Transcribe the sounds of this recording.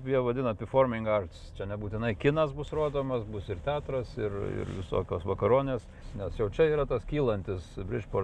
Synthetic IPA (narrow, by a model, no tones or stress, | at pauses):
pjiɛʋɐd̪ʲɪnɐpʲɪfoːrmʲɪŋɡɐrt̪st͡ʃʲɛnʲɛbuːt̪ʲɪnɐɪkʲɪnɐsbʊsroːd̪oːmɐsbʊsɪrt̪ʲæːt̪ɾɐsɪrɪ̰rʋʲɪso̰ːkʲoːsʋɐkɐɾoːnʲeːs | nʲɛsjɛʊt͡ʃʲɛiːɾɐt̪ɐskʲiːlˠɐnʲt̪ʲɪsbʲɾʲɪʃpoː